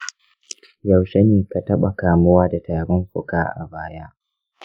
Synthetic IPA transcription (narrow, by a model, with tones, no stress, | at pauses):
ja˨wʃɐ˦niː˨ka˨tɐ˦ɓa˨kaː˨mʊ˦waː˦da˨taː˨ɽʊ˦mɸʊ˨kaː˦ʔa̰˨baː˦ja˦